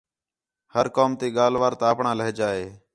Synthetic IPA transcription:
həɾkoːmt̪iːɠaːlʋaːɾt̪aːpɳãːləɦːd͡ʒaːeː

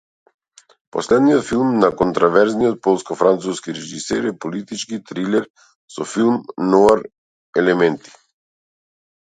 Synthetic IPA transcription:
pɔslɛd̪nijɔt̪filˠmnakɔnt̪ɾɔvɛɾznijɔt̪̚pɔlˠskɔfɾant̪suskiɾɛʒisɛɾɛpɔlit̪it͡ʃkit̪ɾilɛɾ | sɔfilˠmnɔaɾ | ɛlɛmɛnt̪i̥

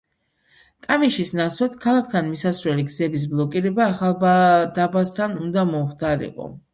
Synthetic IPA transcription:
t̪ʼamiʃisnaswat̪kʰalˠak̚ʰt̪ʰanmisasɾwɛliɡzɛbis̬blˠɔkʼiɾɛbaːχalˠbd̪abast̪ʰanund̪amɔmχd̪aɾḭqʼɔ̰

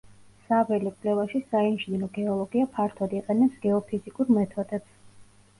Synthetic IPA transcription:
savɛlikʼlɛvaʃisainiʃninɔɡɛɔlˠɔɡiapʰaɾt̪ʰɔd̪iqʼɛnɛpsɡ̥ɛɔpʰizikʼuɾmɛt̪ʰɔd̪ɛt̪s

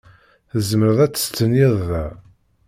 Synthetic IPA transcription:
θəzməɾəðˤæt͡sːə̥st͡sːəniðˤːæ

